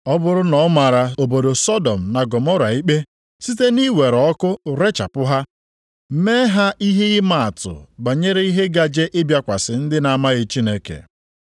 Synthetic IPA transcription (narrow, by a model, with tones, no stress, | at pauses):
ɔ˦bʊ˦ɾʊ˦nɔ˨˦ma˨ɾa˨o˨bo˨do˨sɔ˦dɔ˨m̩˨na˨ɡɔ˨mɔ˦ɾa˨i˦k͡pe˦ | si˦te˦ni˦we˨ɾɔ˦kʊ˦˨ɾe˦t͡ʃa˨pʊ˦ɦa˦ | me˦ɦa˦ʔi˦ɦe˦ɣɪ˦ma˨a˨tʊ̰˨ba˨ɲe˦ɾe˦i˦ɦe˦ɡa˦d͡ʒe˦ʔɪ˦bja˦kʷa˨sɪ˨n̩˦dɪ˦na˨ma˦ɣe˦t͡ʃi˦ne˨kḛ˨